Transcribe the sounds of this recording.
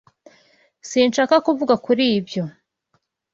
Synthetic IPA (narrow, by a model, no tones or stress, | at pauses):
siːnʃaːkakuvuɡakuɾiːbjo̞